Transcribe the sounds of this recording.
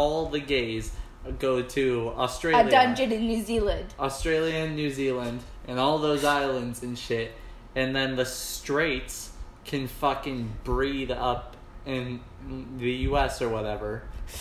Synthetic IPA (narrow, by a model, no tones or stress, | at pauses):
ɔlˠðɨɡeɪz | ɡoʊɾɨəstɹ̥edʌ̃nd͡ʒɨɾɨ̃nːʉzilˠɨ̃nd̥əstɹ̥eɪlˠiɨ̃nːʉzilˠə̃nd | ʔɨ̃nɔlˠðoʊzaɪlˠə̃ndzɨ̃nʃɪɾ | ɨ̃nðɨ̃nðɨstɹ̥eɪtskʰɨ̃nfʌkɨ̃nbɹiɾʌp | ɪ̃n | ðɨjʉɛsə˞wʌɾɛvə˞